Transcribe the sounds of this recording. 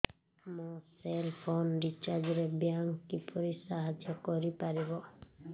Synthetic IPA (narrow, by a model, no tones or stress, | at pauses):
moselpʰonɖit͡ʃad͡ʒɔɾebjaŋkːipɔɾisaɦad͡ʒjɔkɔɾipaɾibɔ